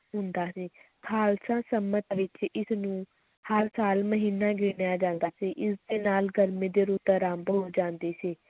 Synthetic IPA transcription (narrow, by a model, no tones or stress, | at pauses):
ɦʊnd̪aːsiː | kʰaːlsãːsəmət̪ʋɪt͡ʃɪsnũː | həɾsaːlməɦiːnːãːɡɪnjaːd͡ʒãːnd̪aːsiːʔɪsd̪eːnaːlɡəɾmẽːd̪eːɾuːt̪ɾãːmbɦoːd͡ʒãːnd̪eːsiː